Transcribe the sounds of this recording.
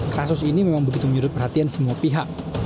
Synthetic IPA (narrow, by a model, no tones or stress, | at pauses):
kasʊsinimemaŋbəɡit̪uməɲuɾʊt̪̚pərɦhat̪iansəmuapiɦak̚